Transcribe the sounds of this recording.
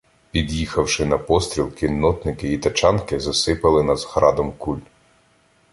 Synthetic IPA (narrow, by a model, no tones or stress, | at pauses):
pʲid̪jixɐwʃɪnɐpɔst̪ʲɾʲilˠkinːɔt̪nɪkɪit̪ɐt͡ʃɑnkɪzɐsɪpɐlˠɪnɐzhɾɑd̪ɔmkulʲ